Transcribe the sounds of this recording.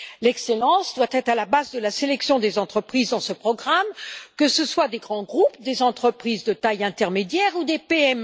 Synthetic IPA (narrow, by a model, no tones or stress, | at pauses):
lɛkselɑ̃sd̪wat̪ɛt̪χalabazd̪əlaselɛksjɔ̃d̪ezɑ̃t̪χəpχizd̪ɑ̃səpχɔɡʁamkəsəswad̪eɡʁɑ̃ɡʁupd̪ezɑ̃t̪χəpχizd̪ət̪ajɛ̃t̪ɛʁmed̪jɛʁud̪epeɛm